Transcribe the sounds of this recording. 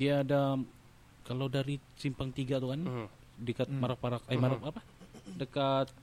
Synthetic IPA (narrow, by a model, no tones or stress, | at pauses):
diaːda | kalawdaɾisimpaŋt̪iɡat̪ukan | dəkat̪̚maɾak̚paɾakaimaɾapapa | dəkat̪̚